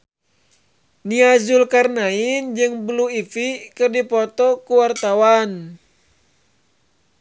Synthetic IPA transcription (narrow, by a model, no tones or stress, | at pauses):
niazulkarnaind͡ʒɨŋbluifikɨrdipɔt̪ɔkuwart̪awan